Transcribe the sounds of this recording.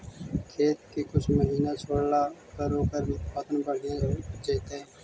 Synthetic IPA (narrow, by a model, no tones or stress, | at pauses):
kʰeːt̪kiːkʊt͡ʃʰməɦiːnat͡ʃʰoːɽlakəɾoːkəɾpət̪ənbəɽ̤jãd͡ʒeːt̪eɦɛː